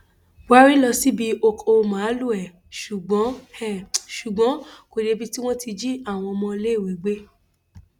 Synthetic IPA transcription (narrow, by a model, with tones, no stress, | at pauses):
wa˦ɾi˦lɔ˧si˦bi˧o˧ko˧mã˨˦lu˦˨ɛ˨ | ʃu˨ɡ͡bɔ̃˨˦hɛ˦˨ʃu˨ɡ͡bɔ̃˨˦ko˨ɾe˧˦bi˧ti˦w̃ɔ̃˦ti˧d͡ʒi˦a˦˨w̃ɔ̃˧mɔ̃˧le˦˨wi˨˦ɡ͡be˦